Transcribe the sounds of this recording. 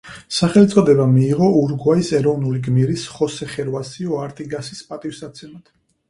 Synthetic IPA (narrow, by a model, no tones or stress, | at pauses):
saχɛlit̪sʼɔd̪ɛbamiːʁɔuɾɡwaisɛɾɔvnuliɡmiɾisχɔsɛχɛɾvasiɔaɾt̪ʼiɡasi̥spʼat̪ʼifsat̪sʰɛmat̪